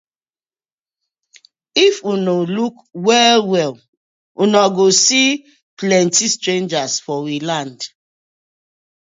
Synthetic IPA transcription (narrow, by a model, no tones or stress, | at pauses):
ifunoluk | wɛlwɛl | unaɡosi | plɛ̃ntistɹẽnd͡ʒasfɔwilãnd